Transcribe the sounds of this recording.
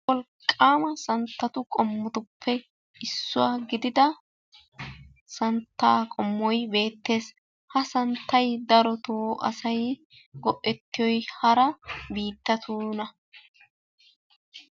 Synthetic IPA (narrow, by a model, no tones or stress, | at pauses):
wɔlkʼːaːmɐsɐnt̪ːɐt̪ʊkʼɔmːʊt̪ʊpʰːɛ | ɪsːʊwaːɡɪd̪ɪd̪ɐ | sɐnt̪ːaːkʼɔmːɔjbe̞ːt̪ːe̞ːs | hɐsɐnt̪ːɐjd̪ɐɾɔt̪oʔɐ̰sɐj | ɡɔʔʼːɛt̪ːɪjɔjhɐɾɐbiːt̪ːɐt̪ʰuːnɐ